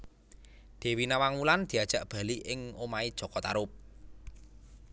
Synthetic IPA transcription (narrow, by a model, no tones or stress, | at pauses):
d̪̥e̤winawaŋmuland̪̥i̤ad̥ʒ̥ä̤ʔb̥ä̤liʔɪŋomaid̥ʒ̥ɔ̤kɔt̪a̰ɾʊp̚